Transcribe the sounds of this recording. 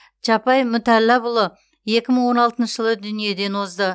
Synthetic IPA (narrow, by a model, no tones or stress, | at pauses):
t͡ʃɑpɑjmʏt̪ælːɑbʊlˠə | je̞kʲɪməɴwo̞nɑlˠt̪ənʃəʒəlˠəd̪ʏnije̞d̪e̞nwozd̪ə